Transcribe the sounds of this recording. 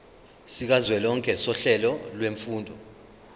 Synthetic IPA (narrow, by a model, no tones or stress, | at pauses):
sik̬azwɛlɔŋkʰʼɛsɔɬɛlɔlweɱfuːndʱɔ